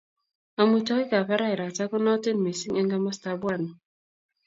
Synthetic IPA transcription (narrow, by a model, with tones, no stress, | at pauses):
a˨mu˦t͡ʃɔ˦ki˦ka˨pa˦ɾa˦i˨ɾa˨ta˦kɔ˦nɔ˦te˦n̩˨me˨si˦ŋɛ˦ŋɡa˦ma˦sta˨bwa˦˨ni˨